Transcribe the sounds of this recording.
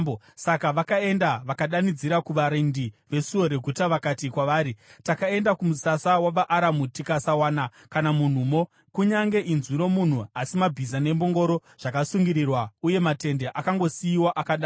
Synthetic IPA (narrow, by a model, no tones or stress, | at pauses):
o | sakaʋakae̞ndaʋakaɗanid͡ziɾakuʋaɾindiʋe̞suo̞ɾe̞ɡʱutaʋakatikwaʋaːɾitakae̞ndakumusasawaʋaʔaɾamutikasawaːna | kanamun̤umo̞ | kuɲaŋɡe̞ʔinzwiɾo̞mun̤uasimabʱizane̞mbo̞ŋɡo̞ɾo̞ | ʐ̥akasuŋɡiɾirwauje̞mate̞nde̞ʔakaŋɡo̞siiwaʔakaɗaː